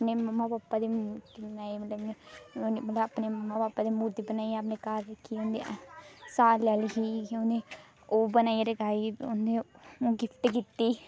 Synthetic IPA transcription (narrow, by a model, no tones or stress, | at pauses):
pneːməmːaːpaːpːaːd̪iːnaːimət̪əb | mət̪ləapneːməmːaːbaːpːad̪iːmuɾd̪iːbənaːiapnekaːɾəkʰːiːʊnd̪esaːlɛːliɦiːʊnd̪eː | oːbənaːiɾəkaːiʊnd̪eoːɡɪpʰʈːkit̪ːiː